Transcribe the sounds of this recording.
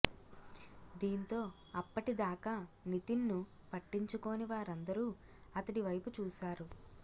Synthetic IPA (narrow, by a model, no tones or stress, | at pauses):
d̪iːnt̪o̞ː | ɐpːɐʈid̪aːkaːnit̪inːu | pɐʈːiɲt͡ʃuko̞ːniʋaːɾɐnd̪ɐɾuː | ɐt̪ɐʈiʋɐjput͡ʃuːsaːɾu